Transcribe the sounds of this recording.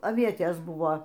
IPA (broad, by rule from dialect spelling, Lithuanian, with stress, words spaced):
ɐˈʋʲiɛtʲeːs ˈbʊʋoː